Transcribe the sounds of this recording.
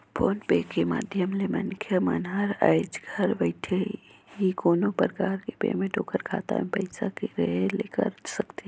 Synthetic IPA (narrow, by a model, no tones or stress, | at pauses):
pʰoːnpeːkːema̰ːd̪ʱjəmlemɐnkʰjəmanɦaɾəɪd͡ʒɡʱəɾʋəɪʈʰeɦikoːnopəɾkaːɾkepḛːmẽʈoːkəɾkʰa̰ːt̪a̰mẽpɐɪsakiɾeɦeleːkə̰ɾsəkt̪e